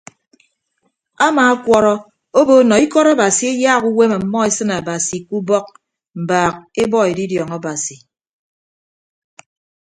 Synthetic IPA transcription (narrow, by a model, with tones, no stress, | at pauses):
a˦maː˨a˦kʷɔ˦ɾɔ˦ | o˦bo˦nɔ˨i˦kɔ˦ɾa˦ba˨si˨e˦jaː˦˨ku˦we˦ma˨˦mːɔ˦e˦sɨ˦na˨ba˨si˨ku˦bɔ˦k̚ | m̩˨baː˨k̚e˦bɔ˦e˨di˦djɔ˨ŋa˦ba˨si˨